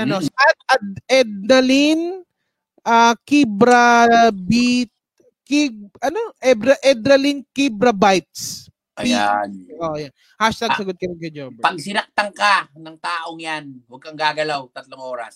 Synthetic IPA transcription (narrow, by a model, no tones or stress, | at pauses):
ʔɐosɐat̪̚ɐd̪ɛd̪̚nɐlin | ʔakibɾɐbit̪̚ | kiʔɐnoʔɛbɾɐʔɛd̪ɾɐlinkibɾɐbajt̪̚s | ʔpɐijnʔojan | haʃt̪aɡsɐɡot̪̚kɐɾɪnkɐd͡ʒombpɐɡ̚sɪɾɐk̚t̪ɐŋkanɐŋt̪aːʔoŋjanwɐɡ̚kɐŋɡaːɡɐlawt̪ɐt̪loŋʔoːɾɐ̰s